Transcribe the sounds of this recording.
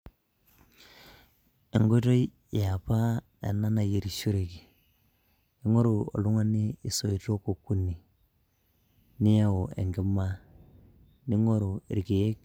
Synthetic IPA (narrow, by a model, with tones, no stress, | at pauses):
e˨ŋɡo˦to˦ | ja˨pa˦ | ḛ˨na˦na˨je˨ɾi˨ʃu˦ɾe˨ki˨ | i˦ŋo˦ɾu˨o̰˨lu˦ŋa˦niː˦˨so˨i˨to˦ko˨kːu˦ni˨ | nɪ˦ja˦o˨ḛ˨ŋɡi˦ma˦ | ni˦ŋo˦ɾo˨ɾki˨je˦k